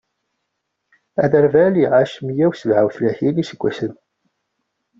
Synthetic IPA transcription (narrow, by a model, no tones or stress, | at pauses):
æ̰ðəɾvæliʁaʃmjæwsəvʕawθlæçilisəɡʷːæsən